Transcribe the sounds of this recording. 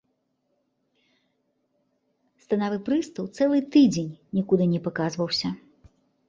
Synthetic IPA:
st̪anavɨpɾɨst̪ɐwt̪sɛlˠɨt̪ɨd͡zʲenʲnʲikud̪ɨnʲɛpakazvɐwsʲɐ

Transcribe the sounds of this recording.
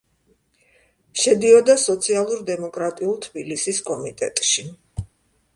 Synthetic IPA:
ʃɛd̪iɔd̪asɔt̪sʰialˠuɾd̪ɛmɔkʼɾat̪ʼiulˠt̪ʰbilisiskʼɔmit̪ʼɛ̰t̪ʼʃi

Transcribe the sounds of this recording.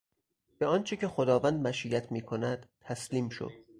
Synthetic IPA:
b̥eɒːnt͡ʃʰecʰe̞xod̪ɒːvænd̪mæʃijæt̪ʰmiːkʰo̞næd̪̥t̪ʰːæsliːmʃo̰d̪̥

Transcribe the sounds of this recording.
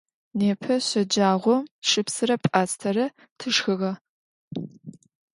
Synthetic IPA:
neːpʰɐɕɐd͡ʒaːʁʷɔʂɨpsɨɾɐpʼaːstʰɐɾɐ | tʰɨʂxɨʁɐ

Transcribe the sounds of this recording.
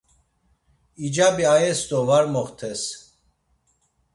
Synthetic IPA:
id͡ʒabiaɛsd̪ɔvaɾmɔχt̪ʰɛs

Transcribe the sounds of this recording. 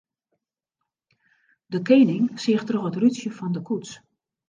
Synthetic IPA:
dəkeːnɪŋsɪəxtrɔxətrysjəfɔndəkʰuts

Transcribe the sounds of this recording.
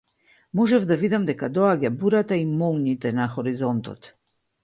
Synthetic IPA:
mɔʒɛvd̪avid̪amd̪ɛkad̪ɔaɟabuɾat̪aimɔlˠɲit̪ɛnaxɔɾizɔnt̪ɔ̰t̪

